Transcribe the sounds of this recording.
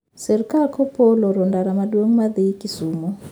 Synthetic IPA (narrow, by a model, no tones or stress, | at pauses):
sɛɾkakʰɔpɔlɔɾɔndaɾamadwoŋmaðiikisuːmɔ